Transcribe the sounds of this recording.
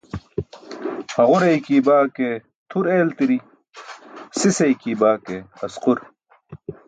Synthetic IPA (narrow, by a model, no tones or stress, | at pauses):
hɐʁuɾɐjkiːbaːke | t̪ʰuɾeːlt̪iɾi | sisɐjkiːbaːkeɐsquɾ